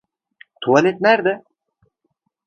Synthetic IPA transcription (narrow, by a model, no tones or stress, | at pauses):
t̪ʰualʲet̪̚næɾd̪ɪ